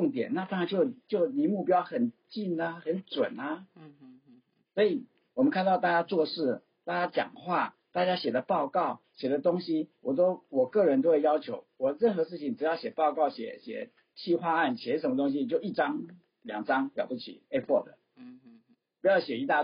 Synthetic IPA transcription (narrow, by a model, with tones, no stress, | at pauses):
ʊ˥˩ŋt̪jɛ̰˨˩nna˥˧t̪aɑ˥ŋɻa˧nt͡ɕjo˥˩ʊt͡ɕjo˥˩ʊli˨˥mu˥˩pjɑ˥ʊxə˨˩nt͡ɕi˥˩nə˦xə˧˥nʈ͡ʂwə̰˨˩nɐ˦ | swɔ˧˥i˨˩ | wɔ˨˩mə˦nkʰa˥˧nt̪ɑ˥˧ʊt̪a˥˧˩ja˥t͡swɔ˥˧ʂɻ̩˥˩ | t̪a˥˧t͡ɕja˥t͡ɕjɑ̰˨˩ŋxwa˥˩ | t̪a˥˩t͡ɕja˥ɕjɛ˨˩d̪ə˦pɑ˥˧ʊkɑ˥˩ʊɕjɛ˨˩d̪ə˦t̪ʊ˥ŋɕi˥wɔ˨˩t̪̬o˥ʊwɔ˨˩kɤ˥˩ɻə˧nt̪o˥we˥˩jɑ˥ʊt͡ɕʰjo˧˥ʊwɔ˨˩ɻə˥˩nxɤ˧˥ʂɻ̩ʰ˥˩i˨˩ŋʈ͡ʂɻ̩˨˩˦jɑ˥˩ʊɕjɛ˨˩pɑ˥˧ʊkɑ˥˩ʊɕjɛ̰˧˥˦ɕjɛ̰˨˩ | t͡ɕʰi˥xwa˥˧a˥˩nɕjɛ˨˥ʂə˧˥nmə˧t̪ʊ˥ŋɕ̬i˧˥t͡ɕjo˥˧ʊi˥˩ʈ͡ʂɑ˥ŋ | ljɑ̰˨˩ŋʈ͡ʂɑ˥ŋpjɑ˨˩ʊpu˥˩t͡ɕʰḭ˨˩˦e˥˩fwɔ˥˩d̪ə̰˩˦˩ | pjɑ˥˩ʊɕjɛ˨˩i˧˥t̪a˥˧